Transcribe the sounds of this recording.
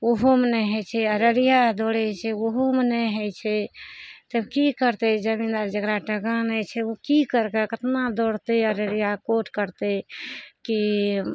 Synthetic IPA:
oɦomnɛɦət͡ʃʰɛəɾəɾijad̪oɽɛt͡ʃʰɛoɦumneɦət͡ʃʰɛt̪əbkikəɾt̪ed͡ʒəmĩnd̪aɾd͡ʒəkɾaʈəɡanɛt͡ʃʰɛokikəɾkakət̪nad̪oɽt̪eəɾəɽijakoʈkəɾt̪eki

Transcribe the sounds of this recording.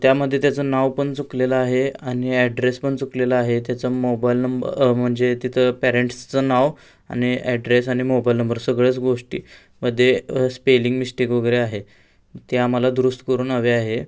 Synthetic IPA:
t̪jaməd̪ʱːjet̪jat͡sənaʋpəɳt͡sukleləaɦeaɽ̃iɛɖɾespəɳt͡sukleləaɦet̪jat͡səmobailnəmbə̰m̤əɳd͡zet̪it̪ʰəpæɾeɳʈt͡sənaʋ | a̰ñiɛɖɾesaɽ̃imobailnəmbəɾsəɡɭet͡sɡoʂʈḭː | məd̪ʱːjespeliŋɡmisʈikʋəɡəɾeaɦe | t̪jamalad̪ɾust̪kəɾuːnaʋeaɦe

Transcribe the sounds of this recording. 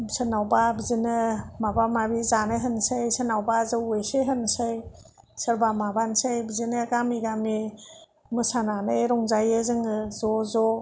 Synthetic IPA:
sɯnawbabizinɯmabamabizanɯɦɯnsɯjsənawbazɯwejseɦɯnsɯj | səɾbamabansajbizinɯɡamiɡami | mɯsananɯɾɔŋzajezɯŋɯzɔzɔ

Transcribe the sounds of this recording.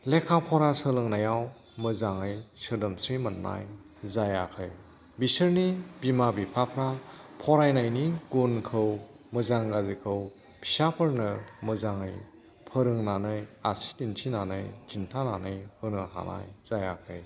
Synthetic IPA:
lekʰapʰɔɾasəlɯŋnajaw | mɯzaŋɯjsɯdɐmsɾimɐnːa̰j | zajakʰɯj | bisɯɾnibimabipʰapʰɾapʰɔɾajnajniɡunkʰɯw | mɯzaŋɡazikʰɯw | pʰi̥sapʰɯɾnɯmɯzaŋɯj | pʰəɾɯŋnanɯjasi̥tintʰinanɯjkʰintʰananɯjhɯnɯɦa̰na̰jz̥ajakʰɯj

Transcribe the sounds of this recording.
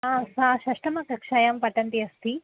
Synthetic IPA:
asaːʃɐʂʈɐmɐkɐkʂɐjampɐʈɐnt̪iɐst̪ʰi

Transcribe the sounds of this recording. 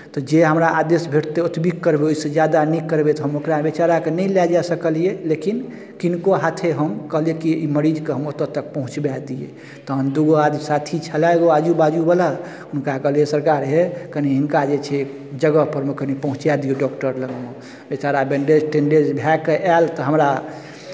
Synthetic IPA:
t̪ɔd͡ʒeɦəmɾaʔad̪esbʱeʈʰt̪eut̪bikːəɾbeoised͡ʒjad̪anikːəɾbet̪ɔɦəmokɾaebet͡ʃaɾakenəilɛd͡ʒasəkəlijelekin | kinkoɦat̪ʰeɦəmkəɦlijekiiməɾid͡ʒkeɦəmot̪ət̪ək̚pəɦũt͡ʃbad̪iḛ | t̪ɔɦəmd̪uɡoad̪sat̪ʰit͡ʃʰəlaeɡoad͡ʒubad͡ʒubəla | unkakəɦlijesəɾkaɾɦekəniɦiŋkad͡ʒet͡ʃʰɛ | d͡ʒəɡəpəɾmekənipəɦũt͡ʃad̪ijeɖɔkʈəɾləɡme | bet͡ʃaɾabeɳɖed͡ʒʈẽɳɖed͡ʒbʱɛkeʔɛlt̪ɔɦəmɾa

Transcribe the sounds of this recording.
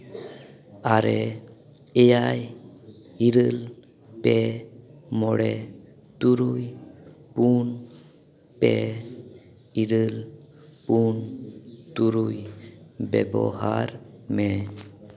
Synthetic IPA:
aɾɛ | ɛjaj | iɾəl | pɛ | mɔɽɛ | t̪uɾujpun | pɛ | iɾəl | punt̪uɾujbɛbɔ̰ɦaɾmɛ

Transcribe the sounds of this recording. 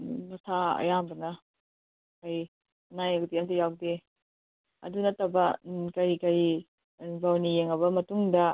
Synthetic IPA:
mɐsʰaɐ̰jambɐnɐ | kɐj | ɐnajɐkdiɐmtijawde | ɐ̰dunɐtɐbɐkɐɾikɐɾi | bawnijeŋɐβɐmɐtuŋdɐ

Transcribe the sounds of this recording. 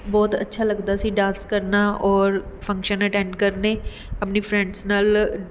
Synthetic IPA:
bɔːt̪ə̰tːʃʰaːləɡd̪aːsiːɖãːnskəɾnaːʔɔːɾpʰə̃ŋkʃənəʈɛ̃ːɳɖkəɾneː | əpniːpʰɾɛ̃ɳɖsnaːl

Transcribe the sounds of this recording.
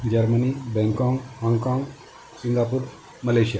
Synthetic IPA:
d͡ʑəɾmənibɛ̃ŋkɔ̃ŋɡhɔŋɡkɔ̃ŋɡ | sind̪apuɾ | məleɕija

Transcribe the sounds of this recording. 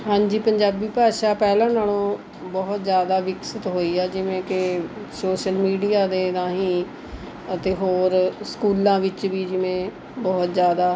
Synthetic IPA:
ɦãːɲd͡ʒiːpəɲd͡ʒaːbiːpaːʃaːpɛːlãːnaːlõː | bɔɦt̪zjaːd̪aːʋɪksɪt̪ɦoːiːɛːd͡ʒɪʋẽːkɪsoːʃəlmiːɖijaːd̪eːd̪ãːɦĩː | ət̪eːɦoːɾskuːlãːʋɪt͡ʃʋiːd͡ʒɪʋẽː | bɔːt̪zjaːd̪aː

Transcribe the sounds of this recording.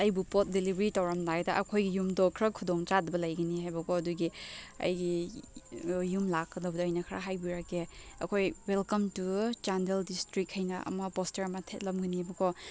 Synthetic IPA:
ɐjbupot̚dilibʱɾitawɾɐmdadɐʔɐkʰojɡijumdokʰɾɐkʰudoŋt͡ʃadɐbɐlɐjɡɐniɦajbɐkʰoɐduɡiɐ̰jɡi | jumlakːɐdɐwbɐdɐɐjnɐkʰɾa̰ɦajbiɾakeɐ̰kʰojwelkɐmtut͡ʃandeldistɾikhɐjnɐʔɐ̰mɐpostɐɾɐmɐtʰet̚lɐmɡɐniajbɐkʰo

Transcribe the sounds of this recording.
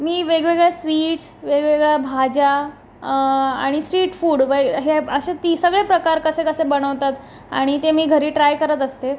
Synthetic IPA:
miːʋeɡʋeɡɭjasʋiːʈsʋeɡʋeɡɭjabʱad͡ʑa | aɽ̃isʈɾiːʈfuːɽʋeɦeəɕet̪isəɡɭepɾəkaɾkəsekəsebəɽ̃əʋt̪at̪ | a̰ɽ̃it̪emiːɡʱəɾiːʈɾajkəɾət̪əst̪e

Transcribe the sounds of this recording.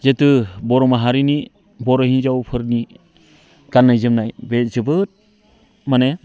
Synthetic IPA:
zetɯbɔɾɔmaɦaɾini | bɔɾɔhinzawpʰɯɾni | ɡ̥anːajzɯmnajbezɯbɯt̚ | mane

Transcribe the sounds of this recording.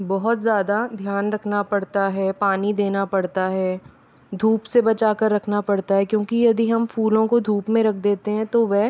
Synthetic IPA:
bɔɦʊt̪zjaːd̪ad̪ʱjaːnɾɐkʰnapɐɽt̪aɦɛːpaːnid̪eːnapɐɽt̪aɦɛː | d̪ʱuːpsebɐt͡ʃaːkəɾːɐkʰnapɐɽt̪aɦɛkjõːkijɐd̪iɦɐmfuːlõkod̪ʱuːpmẽɾɐkʰd̪eːt̪eɦɛ̃t̪oʋɛɦ

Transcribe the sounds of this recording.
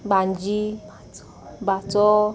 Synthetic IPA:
ɡ͡ban̩d͡ʒi | batɔ

